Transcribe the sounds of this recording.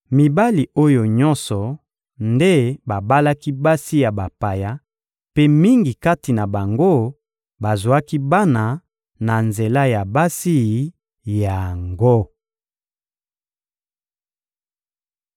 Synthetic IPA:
mi˨ba˦li˨o˦jo˨ɲɔ˦nsɔ˨ | nde˦ba˨ba˦la˦ki˦ba˦si˦ja˨ba˨pa˨ja˦ | pe˦mi˦ŋɡi˨ka˦ti˨na˨ba˨ŋɡo˦ | ba˨zwa˦ki˦ba˦na˨ | na˨nze˨la˦ja˨ba˦si˦˨ | ja˨ŋɡo˦

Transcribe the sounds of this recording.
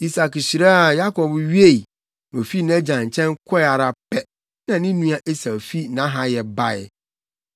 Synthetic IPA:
i˦sa˨kɕi˨ɾa˦a˨ja˦kʰɔ˨bɥi˦e˦˨i˨ | o˨fi˦nɛ̃˦d͡ʑã˨ɲ̩˨t͡ɕʰɛ̃˦ŋ˦kʰɔ˦ɛ˨a˨ɾa˦pʰɛ˦ | nã˨nɪ̃˦nũ˦a˦ʔe˦sa˨fi˦nã˦ɦa˦jɛ˨ba˦˨ɛ˨

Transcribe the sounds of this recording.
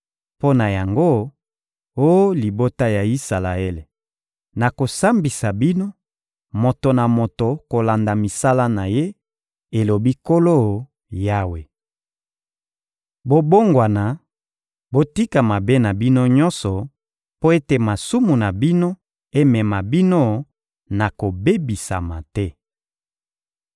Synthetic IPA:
po˦na˨ja˨ŋɡo˦ | o˦jo˦li˨bo˦ta˦ja˨i˦sa˨la˨e˦le˨ | na˨ko˨sa˦mbi˨sa˨bi˦no˦ | mo˨to˨na˨mo˨to˨ko˨la˨nda˨mi˨sa˦la˦na˨je˦ | e˨lo˨bi˦ko˦lo˦˨ | ja˦we˨ | bo˦bo˦ŋɡwa˨na˨ | bo˦ti˦ka˨ma˨be˦na˨bi˦no˦ɲɔ˦nsɔ˨ | po˦e˦te˨ma˨su˦mu˨na˨bi˦no˦ | e˦mɛ˨ma˨bi˦no˦ | na˨ko˨be˦bi˨sa̰˨ma˨tɛ˦

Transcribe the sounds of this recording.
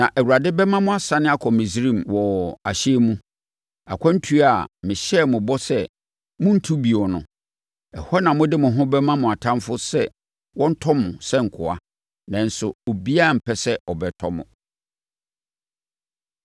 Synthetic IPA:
nã˨ʔɛ˨wu˨ɾa˨dɪ˦bɛ˦mã˦mʊ̃˦a˨sa˨nɪ̃˦a˦kʰɔ˨mɪ̃˨s̬i˦ɾĩ˦˨mwɔ˨a˨ɕe˦mũ˦ | a̰˨kʷʰã˦n̩˦tʰu˦a˨mɪ̃˨ɕɛ˦mʊ̃˨bɔ˦sɛ˦ | mʊ̃˦n̩˦tʰu˦bi˨ɔ˨nʊ̃˨ | ɛ˨hɔ˦nã˨mʊ̃˦dɪ˦mʊ̃˨ɦʊ̃˦bɛ˦mã˦mʊ̃˨a˨tʰã˦mfʊ˦sɛ˦ | wɔ̃˦n̩˦tʰɔ˦mʊ̃˨sɛ˦ŋ̩˨kʰʊ˨a̰˦ | nã˨n̩˨˦sʊ˨o˨bi˦a˦˨m̩˨pʰɛ˦sɛ˦ɔ˨bɛ˨tʰɔ˦mʊ̰̃˨

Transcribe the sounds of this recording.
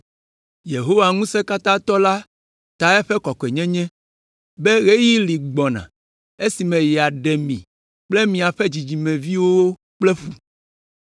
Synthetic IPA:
je˨ɦo˦wa˨ŋũ˦sɛ˦ka˦t̪ã˦t̪ɔ˦la˦ | t̪a˨ɛ˦ɸɛ˦kɔ˨kɔ˨e˨ɲɛ̃˦ɲɛ̃˦ | be˦ɣe˦ji˦li˨ɡ͡bɔ˨nã̰˨ | e˦si˨mɛ̃˨jɛ˨a˨ɖɛ˨mḭ̃˨ | k͡plɛ˦mĩ˨a˨ɸɛ˦d͡ʑi˨d͡ʑi˨mɛ̃˨vi˦wo˦wo˦ | k͡plɛ˦ɸu˨

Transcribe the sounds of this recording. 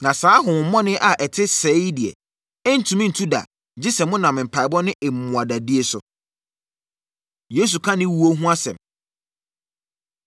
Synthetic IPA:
nã˨saː˨˦ɦʊ̃˨wʊ̃˨˦mɔ̃˦nɪ̃˦ʔa˨ʔɛ˨tʰɪ˦sɛ˨˦di˨ɛ̰˨ | ɛ˦n̩˨˦tʰũ˨mĩ˦n̩˨tʰu˦da̰˨ | d͡ʑɪ˦sɛ˨mʊ̃˦nã˨mɪ̃˨m̩˨pʰa˨ɪ˨bɔ˦nɪ̃˦ʔɛ˨mũ˨a˨da˨di˦e˦sʊ˨ | je˨˦s̬u˨kʰã˦nɪ̃˦wu˨o˦ɦũ˦a˦sɛ̰̃˨m

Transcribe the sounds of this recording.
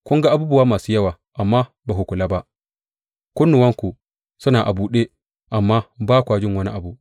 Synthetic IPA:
kʷʊ˦ŋɡa˦ʔa˨buː˦bʊ˦waː˦maː˨suː˦jɐ˦waː˨ | ʔa˨mːaː˦ | baː˨ɦʊ˨kʷʊ˨laː˦ba˦ʔ | kʷʊ˦nːʊ˨wɐ˦ŋku˨ | sʊ˦naː˨ʔa˨buː˦ɗeː˦ | ʔa˨mːaː˦baː˦kʷaː˨d͡ʒɪ˦ŋwɐ˦ni˦ʔa˨bu˨

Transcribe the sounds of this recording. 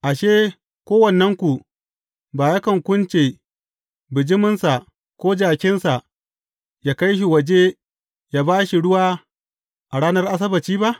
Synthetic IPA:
ʔa˨ʃeː˦ | kʷoː˦wɐ˨nːɐ˦ŋkʷu˨ | baː˨ja˦kɐ˨ŋkʷʊ˦nt͡ʃe˨ | bɪ˨d͡ʒɪ˦mɪ˦nsa˨ | kʷoː˦d͡ʒaː˨kʲɪ˦nsa˨ʔ | jaː˦ka˦jʃ̬i˨wɐ˨d͡ʒe˦ | jaː˦baː˦ʃi˨ɽʊ˦waː˦ | ʔa˨ɽaː˦nɐ˦rʔa˦s̬ɐ˦bɐ˨t͡ʃiː˦ba˦ʔ

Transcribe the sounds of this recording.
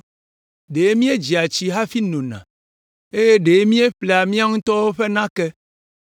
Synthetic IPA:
ɖe˨e˦mĩ˦e˦d͡ʒi˨a˨t͡ɕi˦ɦa˦fi˦nõ˨nã̰˨ | e˦je˦ɖe˨e˦mĩ˦e˦ɸle˨a˨mĩ˦a˦ŋũ˦t̪ɔ˦wo˦ɸe˦nã˦kɛ˦

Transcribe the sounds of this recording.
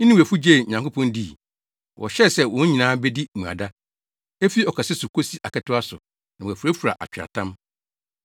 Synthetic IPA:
n̩˦nɪ̃ĩ˦wæ˨fu˦d͡ʑe˦˨ɲã˨ŋko˦pʰɔ̃˦ndi˦˨ | wɔ̰˨ɕɛ˦sɛ˦wɔ̃˨˦ɲĩ˨nãː˦bɛ˦di˦mũ˨a̰˨da˦ | e˦fi˦ɔ˨kʰa˨sɛ˦sʊ˨kʰo˦si˦ʔa˨kɛ˦tʊ˦a˦sʊ˨ | nã˨wæ˨fu˨ɾæ˦fu˨ɾa̰˨ʔa̰˨t͡ɕᶣɾa̰˨tʰã˦m

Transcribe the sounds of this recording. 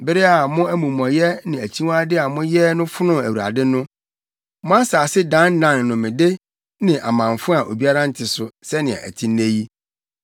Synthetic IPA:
bɪ˦ɾɪ˦a˨mʊ̃˦æ˦mũ˨mɔ̃˨jɛ˦nɪ̃˨æ˨t͡ɕʰi˦wa˦dɪ˦a˨mʊ̃˦jɛ˦nʊ̃˦fʊ˦nʊ̃˦æ˨wu˨a̰˨dɪ˦nʊ̃˦ | mʊ̃˦a˦saː˨sɪ˦dã˦n˦nã˨nnʊ̃˨mɪ̃˨de˦ | nɪ̃˨ʔa˨mã˨ɱfʊ̃˦a˨ʔo̰˨bi˦a˦ɾã˦n̩˦tʰɪ˨sʊ˨sɛ˦nɪ̃˨ɛ̰̃˨ʔæ̰˨tʰĩ˦nː˦e˦ji˦

